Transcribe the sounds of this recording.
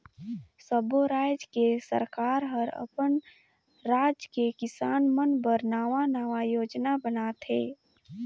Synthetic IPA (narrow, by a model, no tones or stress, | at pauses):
səboɾaːd͡ʒkesə̰ɾkaːɾɦəɾə̰pən | ɾaːd͡ʒkekɪsaːnmənbəɾnaːʋanaːʋajoːd͡ʒnabənaːt̪ɦeː